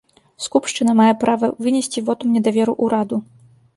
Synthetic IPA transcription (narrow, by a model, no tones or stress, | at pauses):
skupʂt͡ʂɨnɐmajɛpɾavɐvɨnʲɛsʲt͡sʲivɔt̪umnʲɛd̪avʲɛɾuʔuɾad̪u